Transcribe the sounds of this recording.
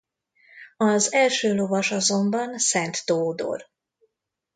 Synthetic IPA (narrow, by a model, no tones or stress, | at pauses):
ɒzɛlʃøːlo̞vɒʃɒzo̞mbɒnsɛnt̪ːoːd̪o̰r